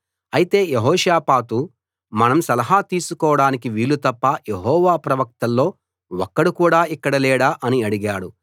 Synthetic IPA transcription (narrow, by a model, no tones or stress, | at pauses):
ɐjit̪e̞ːjeɦɔːʂaːpaːt̪u | mɐnɐmsɐlɐɦaːt̪iːsukɔːʋɐɽaːnikiʋiːlːut̪ɐpːaːjeɦɔːʋaːpɾɐʋɐk̚t̪ɐlːo̞ː | wɔkːɐɽukuːɽaːikːɐɽɐlɛːɽaːʔɐniɐɽiɡaːɽu